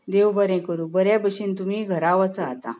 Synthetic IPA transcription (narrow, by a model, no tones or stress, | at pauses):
d̪eʋbəɾɛ̃kəɾũːbəɾjabəɕiːnt̪um̤iːɡʱəɾaʋat͡saat̪a̰